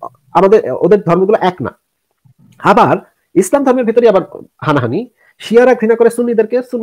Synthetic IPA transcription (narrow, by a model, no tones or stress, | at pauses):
amad̪eɾo̰d̪eɾd̪ʱɔɾmoɡulaʔɛkna̰ | abaɾ | islamd̪ʱɔɾmeɾbʱit̪oɾiabaɾhanaɦani | ʃiaɾaɡʱɾinakoɾesunːid̪eɾkesunː